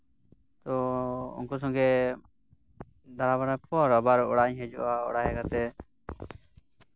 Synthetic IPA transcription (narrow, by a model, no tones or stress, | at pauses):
t̪ɔṵnkus̬ɔŋɡɛ | d̪aɾabaɽapʰɔɔɾɔbaɾɔɔɽaɲɦɛd͡ʒɔ̰ʔaɔ̰ɽaɦɛkat̪ɛ